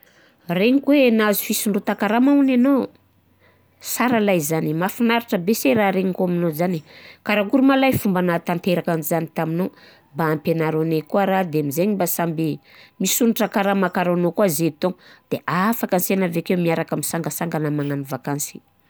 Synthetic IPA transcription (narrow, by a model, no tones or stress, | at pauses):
reɲikwenazi̥fisiɳɖ͡ʐot̪akaɾamaunano | saɾalajzanimafinaɾiʈ͡ʂəbeseɾaɾeɲikuaminozanikaɾaɡuɾumalajfumbanat̪ant̪eɾakanizanit̪amino | mbaːmpenaɾonekuaɾad̪eamizeɲimbasambi | misuniʈ͡ʂəkaɾamakaɾanokuazet̪oŋd̪̥eʔafakansenaveakewmiaɾakamisaŋɡəsaŋɡanəmaŋanivakansi̥